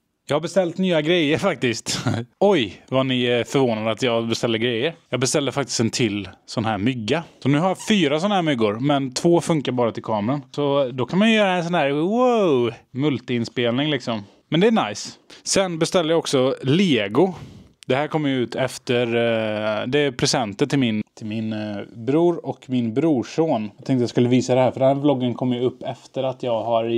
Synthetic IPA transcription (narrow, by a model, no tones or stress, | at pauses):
jɑːɡhaɾbɛst̪ɛlt̪nyːaɡɾɛjːəɾfak̚t̪ɪst̪ɔjvanɪfœɾvoːnad̪əat̪jɑːɡbɛst̪ɛlːəɾɡɾɛjːəɾjɑːɡbɛst̪ɛlːəɾfakt̪ɪ̥st̪ɛnt̪ʰɪlːsɔnhæːɾmʏɡːasɔnʉ̟ːhaɾjafyːɾasɔnːahæːɾmʏɡːʊɾmɛnt̪ʰvoːfɵŋkaɾbɑːɾat̪ɪlkʰɑːmɾansɔd̪ɔkʰanmanjɵjœːɾaɛnsɔnhæːɾwomɵlt̪əɪnspeːlnɪŋlɪksɔm | mɛnd̪ɛːnajssɛnbɛst̪ɛlːəjaɔksɔleːɡʊ | d̪̥ɛhæːɾkʰɔmːəjʉ̟ːt̪ʰɛft̪əɾ | d̪ɛpʰɾɛsɛnt̪ənt̪ɪlmɪnt̪ʰɪlmɪnbɾuːɾɔkmɪnbɾuːʂoːnjat̪ʰɛŋt̪əjaskɵlːəviːsad̪ɛhæːɾfœɖɛnhæːɾblɔɡːənkʰɔmːjəɵpːɛft̪əɾat̪ʰjɑːɡɦaɾ